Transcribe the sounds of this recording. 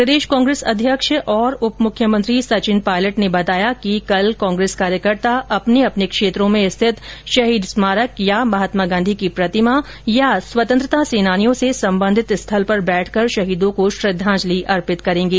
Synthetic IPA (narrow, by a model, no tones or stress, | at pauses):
pɾəd̪eːʃkãːŋɡɾeːsɐd̪ʱjəkʃəʔɔːɾʊpmʊkʰjəmə̃nt̪ɾisɐt͡ʃɪnpaːɪləʈnebɐt̪aːjakikɐlkãːŋɡɾeːskaːɾjəkəɾt̪aɐpneɐpnekʃeːt̪ɾõmẽɪst̪ʰɪt̪ʃɐɦiːd̪smaːɾəkjamɐɦət̪maːɡãːnd̪ʱikipɾɐt̪ɪma | jaswɐt̪ə̃nt̪ɾət̪aseːnaːnijõsesɐ̃mbə̃nd̪ʱɪt̪ɪst̪ʰɐlpɐɾbɛːʈʰkɐɾʃɐɦiːd̪õkoʃɾɪd̪ʱːãːd͡ʒliʔɐɾpɪt̪kɐɾẽːŋɡiː